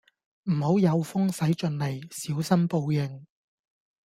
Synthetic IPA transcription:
m̩˨˩ho˨˥wjɐ˨˧wfʊ˥ŋsɐ˨˥jt͡ʃɵ˨˧nle˨˩jsiː˨˥wsɐ˥mpo˧wjɪ˨ŋ

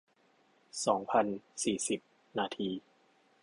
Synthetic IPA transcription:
sɔː˩˦ŋpʰa˧nsiː˨˩si˨˩p̚ | naː˧t̪ʰiː˧

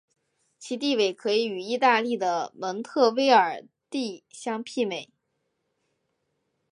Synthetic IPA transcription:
t͡ɕʰi˧˥t̪i˥˧we˥˩ɪkʰɤ˧˥i˧˥y˨˩i˥˧t̪a˥˧li˥˩d̪ə˩wə˧˥nt̪ʰɤ˥˩we˥ɪə˞˨˩ | t̪i˥˧ɕjɑ˥ŋpʰi˥˩me˨˩˦ɪ

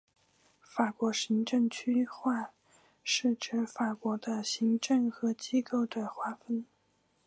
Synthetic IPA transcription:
fa˨˩kwɔ˧˥ɕi˧˥ŋʈ͡ʂɤ˥˧ŋt͡ɕʰy˥xwa˥˧ | ʂɻ̩˥˩ʈ͡ʂɻ̩˧˥fa˨˩kwɔ˧˥d̪ə˧ɕi˧˥ŋʈ͡ʂɤ˥˩ŋxɤ˧˥t͡ɕi˥ko˥˩ʊd̪ə˩xwa˥fə˥n

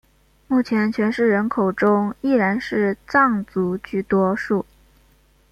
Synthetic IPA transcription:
mu˥˩t͡ɕʰjɛ˧˥nt͡ɕʰɥɛ˧˥nʂɻ̩˥˩ɻə˧˥nkʰo˨˩ʊʈ͡ʂʊ˥ŋi˥˩ɻa˧˥nʂɻ̩˥˧t͡sɑ˥˩ŋt͡su˧˥t͡ɕy˥˩t̪wɔ˥ʂu˥˩

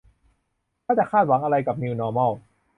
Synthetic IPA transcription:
nʰaː˥˩t͡ɕa˨˩kʰaː˥˩t̪̚wa˩˦ŋʔa˧ɾa˧jka˨˩p̚niː˧wnɔː˧mɔ˥˩w

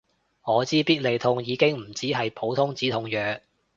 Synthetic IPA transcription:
ŋɔː˨˧t͡siː˥piː˥t̚le˨jt̪ʰʊ˧ŋjiː˨˧kɪ˥ŋm̩˨˩t͡siː˥ɦɐ˨jpʰo˨˥wt̪ʰʊ˥ŋt͡siː˨˥t̪ʰʊ˧ŋjœː˨˥ŋ

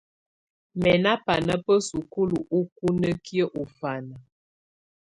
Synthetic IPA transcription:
mɛ˨na˦pa˨nə˦pə˦su˨ku˦lu˨ʔu˦k̚u˦nə˦kjə˦ʔu˨fa˨nə˨

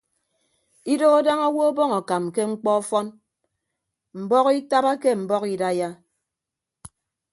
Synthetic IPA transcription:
i˦do˦a˦da˦ŋɔ˦wo˦bɔ˦ŋɔ˨ka˨mke˦ŋ͡m̩˦k͡pɔ˦ɔ˦fɔ˦n | m̩˨bɔ˦ki˦ta˦ba˦ke˦m̩˨bɔ˦ki˦da˦ja˦

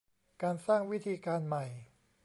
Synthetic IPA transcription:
kaː˧nsaː˥˩ŋwi˦˥t̪ʰiː˧kaː˧nma˨˩j

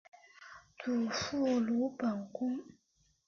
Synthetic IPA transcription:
tʰu˨fu˦˨lu˨˦pa˨ŋ˨ku˦m

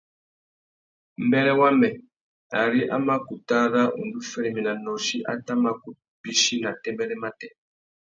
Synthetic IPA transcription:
m̩˦bɛ˦ɾɛ˦wa˦mɛ˨ | a˨ɾi˦ʔa˦ma˦ku˨ta˦ða˦ʔṵ˨ndu˦fɛ˦ɾi˨mi˨na˨nɔ˨ʃi˦ʔa̰˦ta˦ma˦ku˨ | bi˦ʃi˦na˨tɛ˦mbɛ˦lɛ˦ma˦tɛ˦˨

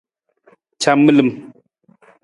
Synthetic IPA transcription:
t͡ʃʰa˦˨mːə˦lɨ˨m

